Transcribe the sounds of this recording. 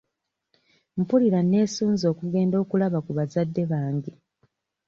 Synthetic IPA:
m̩puliɾane̞ːsuːnzo̞ːkuɡe̞ːndo̞ːkulaβakuβazadːe̞βaːŋɟe

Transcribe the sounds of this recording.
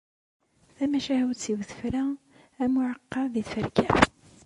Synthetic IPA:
θæmæʃæhut͡sːivθə̥fɾæ | æmʊʕəqːɑðiθfəɾkæ̰

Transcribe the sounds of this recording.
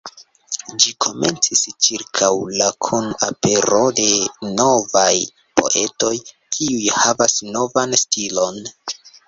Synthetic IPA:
d͡ʒikʰo̞me̞̰nt͡sist͡ʃiɾkʰawlakʰunape̞ɾo̞de̞no̞vaj | po̞̰ʔe̞to̞j | kʰiujhavasno̞vanstilo̞n

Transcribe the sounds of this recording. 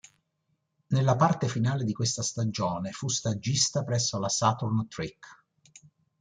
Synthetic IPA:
nelːapart̪efinaːled̪ikwest̪ast̪ad͡ʒoːnefust̪ad͡ʒːist̪apɾɛsːolasat̪urnt̪ɾikː

